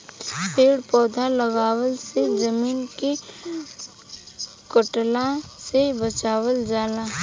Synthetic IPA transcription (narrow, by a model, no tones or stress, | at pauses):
peːɽpɔːd̪ʱaləɡaːwəlsed͡ʒəmiːnke | kʊʈlasebət͡ʃaːwəld͡ʒaːlaː